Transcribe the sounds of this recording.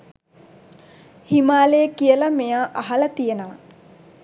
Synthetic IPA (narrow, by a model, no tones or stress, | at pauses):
himaːlejəkijəlɐmejaːʔaɦɐlɐt̪ijənəʋɐ